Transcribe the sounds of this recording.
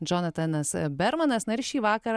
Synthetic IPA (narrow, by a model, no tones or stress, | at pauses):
d͡ʒonɐt̪ɐnɐsbʲɛɾmɐnɐsnɐɪɾʃʲiːʋɑːkɐɾɐ